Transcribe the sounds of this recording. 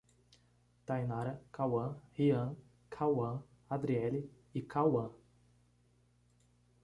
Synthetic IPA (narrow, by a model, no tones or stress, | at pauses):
t̪ajnaɾɐkawɐ̃hiɐ̃ | kʰawɐ̃ | ad̪ɾiɛli | ikʰawɐ̃